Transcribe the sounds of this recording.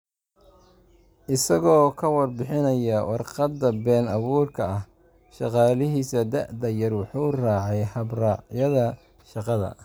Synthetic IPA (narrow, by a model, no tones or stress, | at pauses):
ʔɪsɐɣɔːkʰɐwɑrbɪħɪnɐjɐwɑrqɑd̪ːɐbɛːnɑβuːrkʰɐɐh | ʃɑqɑːlɪɦiːsɐd̪ɐ̰ʔd̪ɐjɐrwɑħuːraːʕɛjhɐbrɑːʕjɐðɐ | ʃɑqɑðɐ̰